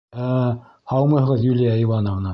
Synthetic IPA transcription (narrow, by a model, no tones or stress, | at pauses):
æ | hɑwmɤ̆ɦɤ̆ʁɤzjulʲijæejvɑnŏvnɑ